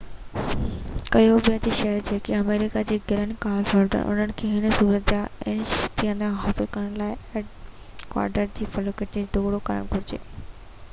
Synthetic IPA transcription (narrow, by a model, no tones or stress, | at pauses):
kɐjobɪjət̪iʃɐɦt͡ɕʰeːkiɐmeːɾɪkad͡ʑeːɡʱeɾənkaːlfɔlɖə̰ɾʔʊ̰nəñɪ̆kʰeɦɪnəsuːɾət̪̚d͡ʑaɪnst̪ʰiənãɦaːsɪlkɐɾəɽ̃laːɪeɖ | kwa̰ːɾɖəɾd͡ʑiːfɐlokeʈĩd͡ʑd̪oːɽokɐɾə̰ɽ̃kʊɾɪd͡ʑḛː